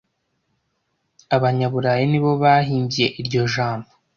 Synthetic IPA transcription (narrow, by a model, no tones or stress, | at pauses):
aβaɲaβuɾajiniβo̞βaɦiːmbije̞ʔiɾɟo̞ʒaːmbo